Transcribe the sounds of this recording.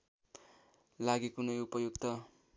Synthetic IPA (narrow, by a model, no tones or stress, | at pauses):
laɡikunʌjupʌjuɡt̪ʌ